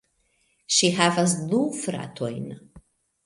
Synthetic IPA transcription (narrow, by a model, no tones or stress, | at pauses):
ʃiɦavas̬dufɾa̰t̪ʰojn